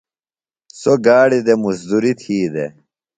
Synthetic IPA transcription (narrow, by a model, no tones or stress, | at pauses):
soɡaːɽid̪emusd̪uɾit̪ʰiːd̪e